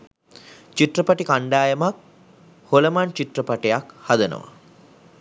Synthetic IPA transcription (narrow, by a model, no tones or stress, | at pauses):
t͡ʃiʈrəpaʈikaɳɖaːjəmak̚ | holəmant͡ʃiʈrəpaʈejakhad̪ənə̰ʋa̰